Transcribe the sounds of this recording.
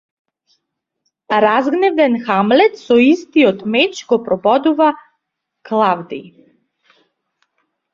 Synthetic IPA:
ɾazɡnɛvd̪ɛnxamlɛt̪sɔist̪iɔt̪mɛt͡ʃɡɔpɾɔbɔd̪uva | klˠavd̪ḭ

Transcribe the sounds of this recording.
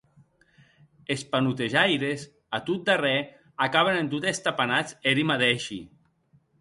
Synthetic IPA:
espanut̪eʒajɾez | at̪ut̪̚d̪arɛ | akaβenent̪ut̪est̪apanat͡seɾimaðɛʃḭ

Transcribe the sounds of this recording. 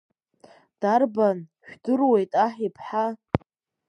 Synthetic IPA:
d̥arbanʃᶣdɨrwe̞jtʼaħipʰħa

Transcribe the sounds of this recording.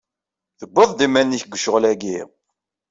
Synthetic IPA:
θəbːəðˤd̪imːænːiçɡʷəʃəʁlæɡi

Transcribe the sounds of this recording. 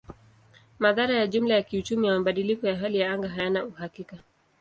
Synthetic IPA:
maðaɾajaʄum̩lajakiut͡ʃumijamaɓaɗilikɔjaɦalijaaŋɡaɦajanauhakika

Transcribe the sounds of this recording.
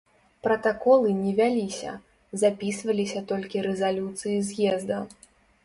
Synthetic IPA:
pɾɐt̪akɔlˠɨnʲɛvʲalʲisʲɐ̰ | zapʲisvɐlʲisʲɐt̪ɔlʲkʲiɾɛzalʲut̪sɨjizʲjɛzd̪ɐ

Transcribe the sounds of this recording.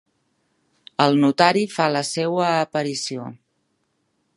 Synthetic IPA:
əlˠnut̪aɾifaləsewəːpəɾisio

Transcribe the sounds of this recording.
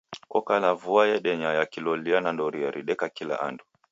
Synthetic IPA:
kɔkalavuajɛɗɛɲajakilɔlianandɔɾiɛɾʔiɗɛkakila̰ʔa̰ndu

